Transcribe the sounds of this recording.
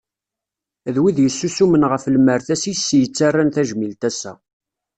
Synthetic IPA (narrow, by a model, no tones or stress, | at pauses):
ðwiðjəsːusumənʁəfləmːəɾθæsisːjət͡sːarˤːanθæʒmilt̪æsːæ̰